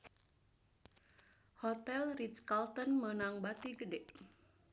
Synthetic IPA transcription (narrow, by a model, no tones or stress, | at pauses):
hɔt̪ɛlritskalt̪ənmənaŋbat̪iɡədɛʔ